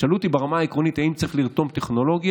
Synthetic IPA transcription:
alut̪ibeʁamaːikʁo̞nit̪haimt͡sʁeχliʁt̪o̞mt̪eχno̞lo̞ɡj

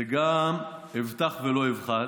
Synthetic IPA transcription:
eɡamivt̪aχvelo̞ivχa

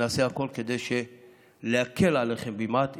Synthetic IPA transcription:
aseako̞lke̞d̪ejʃe | leake̞laleχembimat̪

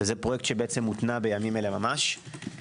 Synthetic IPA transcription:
ezepʁoje̞k̚t̪ʃebeet͡se̞mːut̪nabejamimelemamaʃ

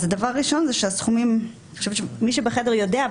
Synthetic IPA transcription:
zɛdavaʁːiʃonzɛʃeasχumim | iχoʃɛvʃemiʃebeχɛdɛʁjodea

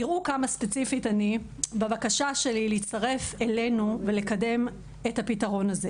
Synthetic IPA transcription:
iʁukamaspe̞t͡sifitani | bavakaʃaʃe̞lilit͡stɐʁe̞fele̞nuve̞le̞kade̞m | ethapitɐʁo̞naze̞

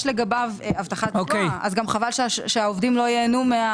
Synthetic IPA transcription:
ʃleɡabavavt̪aχaokejazɡamχavalʃʃʃeaovdimlo̞jeːnumea

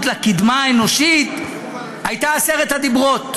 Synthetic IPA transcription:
t̪lakid̪maeno̞ʃit̪ | ajt̪aːseʁet̪had̪ibʁot̪

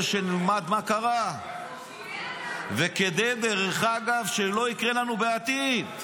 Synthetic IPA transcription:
ʃenilmad̪makaʁa | veked̪e̞jd̪eʁeχaɡavʃelo̞ikʁelanubeat̪id

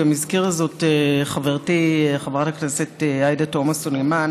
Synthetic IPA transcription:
amizkiʁazo̞teχaveʁtiχavʁatakneseteajdato̞masoneman

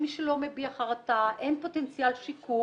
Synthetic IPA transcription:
miʃelo̞mebiaχaʁat̪aʔenpo̞tent͡sijalʃiku

